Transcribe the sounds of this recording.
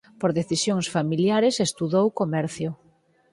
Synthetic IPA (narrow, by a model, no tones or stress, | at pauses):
poɾðeθisjoŋsfamiljaɾesest̪uðowkomɛɾθjʊ